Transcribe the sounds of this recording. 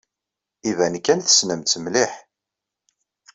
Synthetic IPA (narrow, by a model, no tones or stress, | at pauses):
ivænkːænθə̥snəmtt͡s̪ːəmliħ